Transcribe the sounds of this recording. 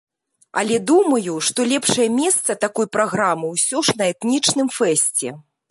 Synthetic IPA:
ɐ̰lʲɛd̪umɐjuʂt̪ɔlʲɛpʂɐjɐmʲɛst̪sɐt̪akɔjpɾaɣɾamɨwsʲɔʂnɐɛt̪nʲit͡ʂnɨmfɛsʲt͡sʲɛ̰

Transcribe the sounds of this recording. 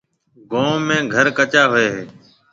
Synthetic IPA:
ɡõːmẽːɡʱəɾkət͡ʃaːɦʊeːɦeː

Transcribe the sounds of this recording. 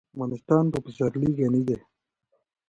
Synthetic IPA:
manɪst̪ɑːnpopisaɾliɡenid̪e

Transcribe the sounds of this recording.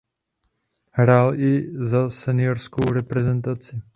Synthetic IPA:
hɾaːlʔɪzasɛnɪoɾskowɾɛpɾɛzɛnt̪at͡sɪ

